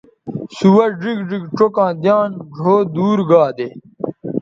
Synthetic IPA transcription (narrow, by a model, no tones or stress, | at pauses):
suwɐɖiɡɖiɡʈ͡ʂokãːd̪jaːnɖʱoːd̪uːɾɡaːd̪e